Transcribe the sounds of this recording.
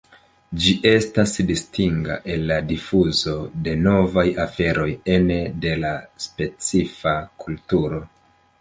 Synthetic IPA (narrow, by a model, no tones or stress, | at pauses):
d͡ʒiʔe̞stasdistiŋɡa̰ʔe̞lːadifuzo̞de̞no̞vajafe̞ɾo̞je̞nede̞laspe̞t͡sifakultuɾo̞